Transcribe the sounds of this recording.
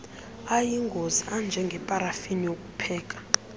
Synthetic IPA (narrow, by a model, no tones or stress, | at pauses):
ajiŋɡʱoziand͡ʒʱɛŋɡʱɛpʼaɾafinijokʼu̥pʰɛːk̬ʼḁ